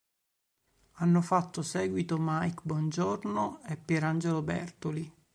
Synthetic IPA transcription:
anːofat̪ːosɛːɡwit̪omajkbwɔnd͡ʒornoɛpːeɾand͡ʒelobɛ̰rt̪oli

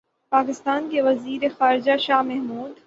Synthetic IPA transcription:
paːkɪst̪aːnkeʋɐziːɾexaːɾɪd͡ʒaʃaːɦmɛɦmuːd̪

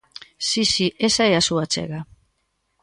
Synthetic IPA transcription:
sisiʔesaeasuat͡sḛɣa

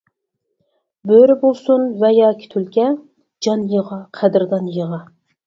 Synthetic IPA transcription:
bøɾɪbolˠsunvɛjɑːkʲʰi̥t̪ʰylkʲɛ | d͡ʒɑnjəʁɑqʰæd̪ɪɾd̪ɑnjəʁɑ

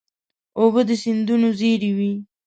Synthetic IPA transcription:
obəd̪əsind̪unozeɾiwi

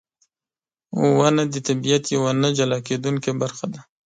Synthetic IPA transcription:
wanad̪ət̪abijat̪jawanad͡ʒalɑked̪uŋkebaɾxad̪a

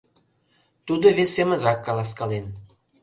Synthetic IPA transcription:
t̪ud̪oβesːemə̆nrɑkːɑlˠɑskɑlen

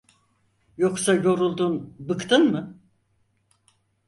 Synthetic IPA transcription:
joksajo̞ɾulˠd̪unbɯkt̪ʰɯnmɯ

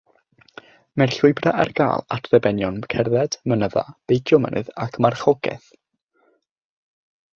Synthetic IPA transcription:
mɛrɬʊɨbraʔa̰rɡa̰ːlˠatʰrɛbɛnjɔnkʰɛrðɛd̥mənəða̰b̥ejkʰjɔmə̰nʔɨ̰ðakʰmarχɔɡɛ̰θ

